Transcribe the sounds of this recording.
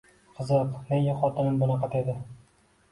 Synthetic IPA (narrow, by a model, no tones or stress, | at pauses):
qʰɨzɨqmeŋjaχɒt̪ʰɪnɪmbʊnɑqʰɑt̪ʰed̪ɪ